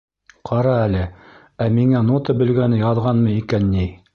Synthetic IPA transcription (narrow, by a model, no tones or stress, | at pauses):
qʰɑɾɑælɘ | æmiŋænot̪ɤbɘ̆lɡænɘjɑðʁɑnmɤikænːi